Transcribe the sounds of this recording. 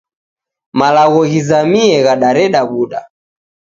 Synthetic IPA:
malaɣɔɣizamiɛɣaɗaɾɛɗaβuɗa

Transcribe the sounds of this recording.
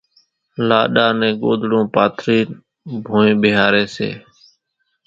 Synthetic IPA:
laːɗaːnɛ̃ːɡoːd̪ɽõːpaːt̪ʰɾiːn | bʱõːẽːɓɪɦaːɾeːsḛː

